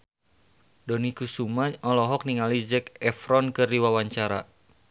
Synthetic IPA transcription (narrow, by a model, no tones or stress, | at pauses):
dɔnikusumaɔlɔɦɔk̚niŋalid͡ʒɛkɛfɾɔnkɨrdiwawaɲt͡ʃaɾa̰